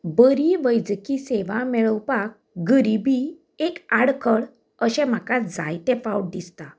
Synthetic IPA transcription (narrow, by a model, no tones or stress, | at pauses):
bəɾiʋəjd͡zkiseʋamɛɭəwpak̚ | ɡəɾibi | ekaɽkʰəɽ | əɕɛ̃m̤akad͡zajt̪ɛfauʈ̚d̪ist̪a